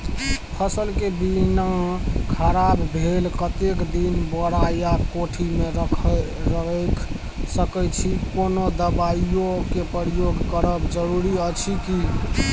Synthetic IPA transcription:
pʰəsəlkebinakʰəɾabbʱelkət̪ekd̪inbəɽajakoʈʰimeɾəkʰə | ɾəɦəkʰ | səkəjt͡ʃʰikonod̪əbaiokepəɾjoɡʱkəɾəbd͡ʒəɾuɾiət͡ʃʰiki

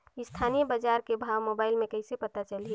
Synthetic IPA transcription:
ɪst̪ʰaːnijəbəd͡ʒaːɾkebʱaːʋmoːbaːɪlmẽkəɪsepət̪at͡ʃəlɦi

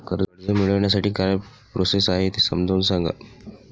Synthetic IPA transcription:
kəɾəɾd͡zəmiɭəʋɳjas̬aʈiːkaɾapɾosesaɦet̪esə̰md̪ʱoːnsãŋɡa̰

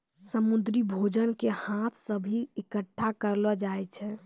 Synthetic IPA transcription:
səmud̪ɾibʱod͡ʒənkehat̪ʰsəbʱiekəʈʰːakəɾləd͡ʒajt͡ʃʰɛ

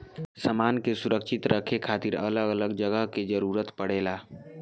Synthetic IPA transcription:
səmaːnkesʊɾəkʃɪt̪ɾəkʰekʰaːt̪iɾə̰ləɡələɡd͡ʒəɡəɦked͡ʒəɾuːɾət̪pəɽ̤eːlaː

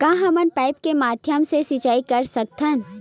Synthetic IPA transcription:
kãːɦɐmənpaːɪpkemaːd̪ʱjəmsesit͡ʃaːikɐɾsɐk̚t̪ʰən

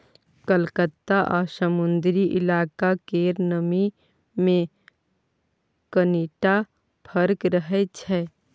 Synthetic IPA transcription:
kəlkət̪ːaʔɔːsəmʊ̃nd̪ɾiʔɪ̰laːkakeːɾnəmi | mẽ | kəneːʈa | pʰəɾkɾəɦet͡ʃʰɛː

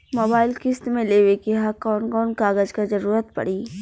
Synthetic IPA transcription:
moːbaːɪlkɪst̪mẽleːwekiɦakɔːnkɔːnkaːɡəd͡ʒkazɐɾuːɾət̪pɐ̰ɽiː

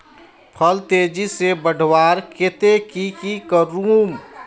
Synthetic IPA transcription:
pʰəlt̪ed͡ʒisebəɖʱwaːɾket̪ekikikəɾum

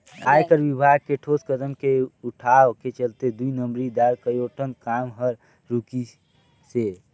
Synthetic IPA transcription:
aːjkəɾʋibʱaɡ̚keʈʰoskəd̪əmkeuʈʰaket͡ʃəlt̪ed̪uinəmbɾid̪aɾkəɾoʈʰənkamɦəɾ | ɾuki | se

